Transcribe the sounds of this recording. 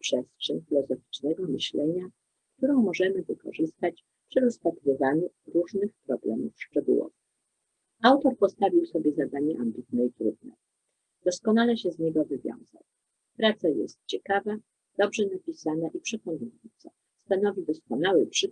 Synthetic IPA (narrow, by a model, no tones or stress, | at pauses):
pʂɛstʂɛɲfʲilɔzɔfʲi̥t͡ʂnɛɡɔmɘɕlɛɲa | kt̪uɾɔ̃w̃mɔʐɛmɘvɘkɔ̰ʐɘst̪at͡ɕ | pʂɘɾɔspat̪ɾɨvaɲuɾuʐnɘxpɾɔblɛ̰mṵfʂt͡ʂɛɡṵwɔ̰vɘx | awt̪ɔɾpɔst̪avʲiwsɔbʲjɛzad̪aɲɛʔambʲit̪̚nɛit̪ɾṵd̪̚nɛ̰ | d̪̥ɔskɔnalɛɕɛzɲɛɡɔvɘvʲjɔ̰̃w̃z̥a̰w | pɾat̪sajɛ̰st̪̚t͡ɕɛkava | d̪̥ɔbʐɛnapʲisanaʔipʂɛkɔnujɔnt̪sa | st̪anɔvʲid̪ɔskɔnawɘpʂɘ